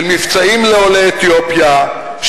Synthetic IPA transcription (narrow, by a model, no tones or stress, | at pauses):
lmift͡saimleoleːt̪jo̞pja | ʃ